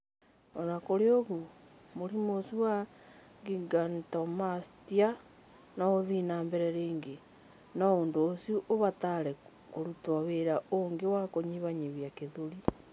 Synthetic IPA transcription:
ɔnakoɾeoɣu | moɾimosiwaɡiɡantɔmastia | naoðinaːmbɛɾɛɾeːŋɡe | nɔoːndoːsiuʔoβataɾɛ | koɾutwaβeɾaoŋɡewakoɲiβaɲeβjakeðoɾi

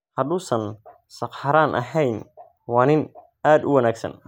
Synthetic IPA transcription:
hɐd̪ʊːsɐn | sɑqħɐɾaːnʔɐ̰ɦɛjn | wɑːnɪn | aːd̪ʊ̰wɐnaːɡsɐ̰n

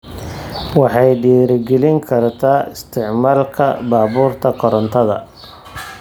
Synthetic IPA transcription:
wɑħɑjɖiːɾɡɛlɪŋkʰɐrt̪ʰaːɪst̪ʰɪʕmaːlkʰɐ̰baːβuːrt̪ʰɐqʰɔɾɐnt̪ʰɐðɐ̰

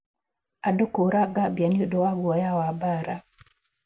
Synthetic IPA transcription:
adokoɾaɡabjaniodowaɡwajawabaɾa

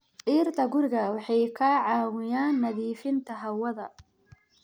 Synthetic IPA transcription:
ʕiːrt̪ʰɐɡʊrɡɐwɑħɑjkʰaːʕɑːwɪjaːnːɐðiːfɪnt̪ʰɐɦɐwɐðɐ

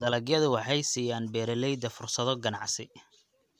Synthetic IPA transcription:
d̪ɐlɐɡjɐðʊwɑħɑjsiːjaːnbɛːɾɛlɛjd̪ɐfʊrsɐðɔɡɐnɑʕsɪ

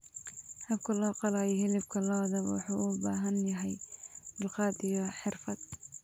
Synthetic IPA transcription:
hɐb̚kʰɐlɔːqɑlaːjɛɦɪlɪbkʰɐlɔwðɐwɑ̰ħṵːʔʊbaːɦɐnjɐɦɛjmɪlqɑːd̪ijɔħɪrfɐd̪̥̚

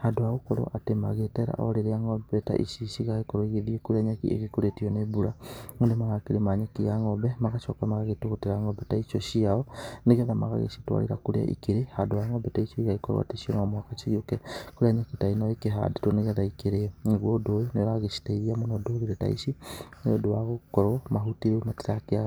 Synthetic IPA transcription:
hadoaɣukoɾo̰ʔatema̰ɣeteɾa̰ʔo̰leɾeaŋobɛta̰ʔiʃiʃiɣaɣikoɾoiɣeðiekuɾeaɲakiḛɣekuɾetionebuɾaŋondemaɣakiɾemaɲakijaŋɔbɛmaɣat͡ʃɔkamaɣaɣetuɣuteɾaŋɔbɛtait͡ʃoʃiaɔneɣɛðama̰ɣa̰ɣḛʃi̥twa̰ɾḭɾa̰kuɾḛa̰ʔḭkeɾehadoaŋɔbɛtaiʃiiɣaikɔɾw̰a̰teʃiɔnɔmohakat͡ʃiɣjokɛkuɾeaɲakitainaekeɦa̰ditwoneɣɛðaikeɾeŋeɣwodojoneɣaɣeʃi̥taiðiamonodoɣiɾeta̰ḭsineodowaɣokɔɾɔmaɦutiemati̥ɾakea

